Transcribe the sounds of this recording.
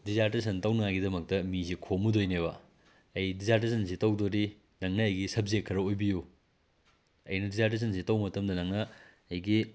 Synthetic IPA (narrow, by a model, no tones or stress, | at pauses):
dizaɾtes̬ʰɐntɐwnɐŋaɡidɐmɐk̚tɐmisikʰomudojneβɐ | ɐjdizaɾt̬es̬ʰɐns̬itɐwdoɾi | nɐŋnɐːjɡisɐp̚zet̚kʰːɐɾɐojbiju | ɐjnɐdizaɾt̬es̬ʰɐnsitɐwmɐtɐmdɐnɐŋnɐː | jɡi